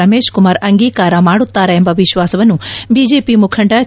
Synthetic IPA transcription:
ɐmeːʃkʊmaːɾɐŋɡiːkaːɾãmaːɽut̪ːaɾɐɦẽmbɐʋɪʃʋaːsʋɐnũbid͡ʒeːpimʊkʰəɳʈa

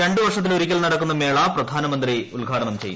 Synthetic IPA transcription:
e̞ɳɖɨʋɐrʂɐt̪ːiloɾikʲːɐlnɐɽɐkːunːɐme̞ːɭaːprɐd̪ʱaːnɐmɐnd̪riulɡʱaːʈɐɳɐmt͡ɕeju

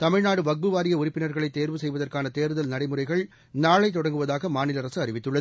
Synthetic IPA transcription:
t̪ɐmɪɻnaːɽɯʋɐɡ̚bɯʋaːɾɪjɐʊɾɪpːɪnɐɾɣɐɭɐɪt̪ːeːɾʋɯsɛjʋɐðɐrkaːnɐt̪eːɾɯðɐlnɐɽɐɪmɯrɐɪɣɐɭ | naːɭɐɪt̪ːɔɽɐŋɡɯʋɐðaːɣɐmaːnɪlɐɾɐsɯɐɾɪʋɪt̪ːɯɭːɐð

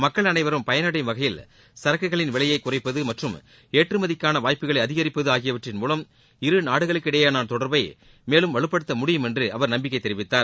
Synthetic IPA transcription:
mɐkːɐɭɐnɐɪʋɐɾɯmpɐjɐnɐɽɐɪʋɐɣɐjɪl | sɐɾɐkːɐɣɐɭɪnʋɪɭɐjɐɪkːʊrɐɪpːɐðɯmɐʈrɯm | eːʈrɯmɐðɪkːaːnɐʋaːjpːɯɣɐɭɐɪɐðɪɣɐɾɪpːɐðɯaːɣɪjɐʋɐʈrɪnmuːlɐm | ɪɾɯnaːɽɯɣɐɭɯkːɪɽɐjɐnaːnt̪ɔɽɐɾbɐɪ | meːlɯmʋɐɭɯpːɐɽɯt̪ːɐmʊɽɪjɯmɛndrɯʔɐʋɐɾnɐmbɪk̬ːɐɪt̪ːɛɾɪʋɪt̪ːaːɾ

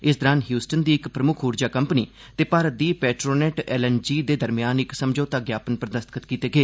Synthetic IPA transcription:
ɪsd̪əɾaːnɦjuːsʈənd̪iːɪkpɾəmʊkʰuːɾd͡ʒaːkəmpniː | t̪eːpaːɾət̪̚d̪iːpɛːʈɾoːnɛːʈɛːlɛnd͡ʒiːd̪eːd̪əɾmɪjaːnɪksəmd͡ʒoːt̪aːɡjaːpənpɾəd̪əst̪kʰət̪kiːt̪eːɡeː

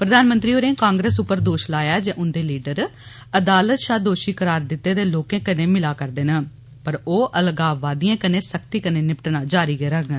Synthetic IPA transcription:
pɾəd̪aːnmənt̪ɾiːoːɾẽːkãːŋɡɾeːsʊpːəɾd̪oːʃlaːjaːd͡ʒeːʔʊnd̪eːliːɖəɾ | əd̪aːlət̪ʃaːd̪oːʃiːkəɾaːɾd̪ɪt̪ːeːd̪eːloːkẽːkənẽːmɪlaːkəɾd̪eːnə | pəɾoːʔəlɡaːʋaːd̪iːãːkənẽːsəkt̪iːkəneːnɪpʈnaːd͡ʒaːɾiːɡeːɾəɡ

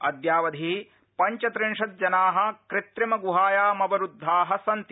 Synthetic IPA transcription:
ɐ̰d̪jaːʋɐd̪ʱi | pɐɲt͡ʃɐt̪ɾɪɳʂɐt̪̚d͡ʒɐnaːɦɐ̆kɾɪt̪ɾɐmɐɡuɦaːjaːmɐbɐɾud̪ʱːaːɦɐsɐnt̪

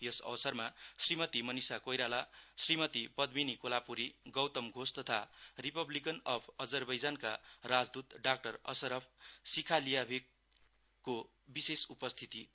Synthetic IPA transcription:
jʌsʌ̰wsʌrmasrimʌt̪imʌnisakojɾalasrimʌt̪ipʌd̪minikolapuɾiɡʌwt̪ʌmɡʱost̪ʌt̪ʰaripʌblikʌnʌpʰʌd͡zʌrbʌjd͡zankarad͡zd̪ut̪ɖak̚ʈʌrʌ̰sʌɾʌpʰsikʰalijabʱek̚ː | o | bisesupʌst̪ʰit̪i

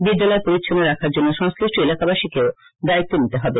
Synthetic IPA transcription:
bid̪ːalɔepoɾit̪ʃʰoneɾakʰaɾd͡ʑonːoʃɔŋskɾiʃʈoelakabaʃikeo | d̪ait̪ːonit̪eɦɔbe

